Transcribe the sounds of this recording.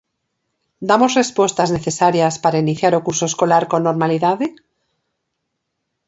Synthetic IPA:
d̪amozrespwost̪azneθesaɾjaspaɾainiθjaɾokuɾsoeskolaɾkonːoɾmaliðaðe

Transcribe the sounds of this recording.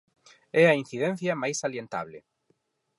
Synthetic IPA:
ɛɐin̟θiðɛ̃n̟θjɐmajsaljent̪a̰βlɪ̰

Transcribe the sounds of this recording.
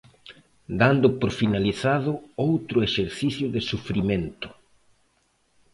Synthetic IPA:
d̪and̪ʊpoɾfinaliθaðʊowt̪ɾʊeʃeɾθiθjʊðɪsufɾimẽnt̪ʊ̥

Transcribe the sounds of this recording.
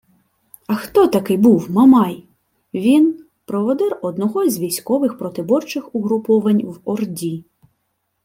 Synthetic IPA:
ɐxt̪ɔt̪ɐkɪjbuwmɐmɑj | ʋʲin | pɾɔʋɔd̪ɛrɔd̪nɔɦɔzʲʋʲijsʲkɔʋɪxpɾɔt̪ɪbɔrt͡ʃɪxʊɦɾʊpɔʋɐnʲwɔrdʲi

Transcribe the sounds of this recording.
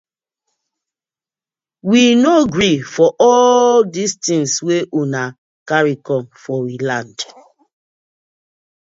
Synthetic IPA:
winoɡɹifɔʔɔlldistĩŋsweʔuna | kaɹikɔ̃mfɔwilãnd

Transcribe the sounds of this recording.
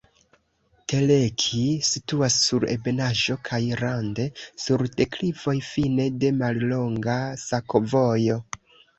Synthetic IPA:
te̞lekʰisituasːuɾe̞̰be̞naʒo̞kʰajɾande̞suɾde̞klivo̞jfine̞de̞mallo̞ŋɡasakovojo̞

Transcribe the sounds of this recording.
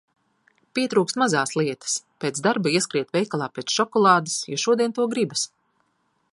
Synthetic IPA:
piɛt̪ɾuːkst̪mazaːsliɛt̪ḁspeːt̪zd̪aɾbaiɛskɾiɛt̪vʲɛjkalˠaːpeːt̪sʃɔkɔlˠaːd̪asjɔ̰ʃuɔd̪iɛnt̪uɔɡɾibas

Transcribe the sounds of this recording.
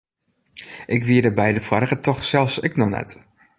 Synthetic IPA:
ʔɪkʋiədəbɛjdəfarɣətʰɔχsɛlˠfsɪknɔnɛ̰t

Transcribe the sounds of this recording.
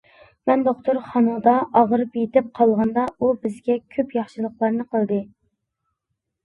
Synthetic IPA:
mɛnd̪oqt̪oɾχɑnud̪ɑʔɑʁəɾɨpjet̪ɪp̚qʰɑlˠʁɑnd̪ɑubɪzɡʲɛkʲʰøpjɑχʃɨlˠəχlˠɑɾnɨqʰəlˠd̪ɨ

